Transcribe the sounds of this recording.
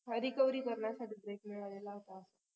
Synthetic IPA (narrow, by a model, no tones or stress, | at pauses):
ɦəɾikəʋɾiːkəɾɳjasaʈiːbɾekmiɭalelaɦot̪aːsa